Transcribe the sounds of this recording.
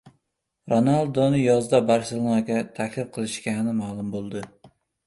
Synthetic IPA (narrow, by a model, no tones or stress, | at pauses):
ɾonalˠd̪onɪjɒzd̪abaɾsɪlˠakʲat̪ʰakʲlɪfqʰɨlˠɪʃkʲanɪmaːlˠʊmbolˠd̪ɪ